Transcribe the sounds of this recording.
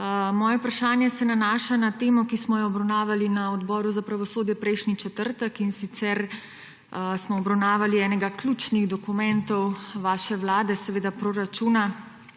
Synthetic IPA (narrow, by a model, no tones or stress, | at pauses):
mɔːjɛupɾaʃaːnjɛsɛnanaːʃanat̪eːmɔkismɔjɔɔbɾawnaːʋalinaɔd̪bɔːɾuzapɾaʋɔsoːd̪jɛpɾɛjʃnit͡ʃɛt̪əɾt̪əkinsit̪sɛɾ | smɔːbɾawnaːʋaliɛːnɛɡaklʲut͡ʃniɣd̪ɔkumɛnt̪ɔwʋaːʃɛwlaːd̪ɛsɛʋeːd̪apɾoɾat͡ʃuna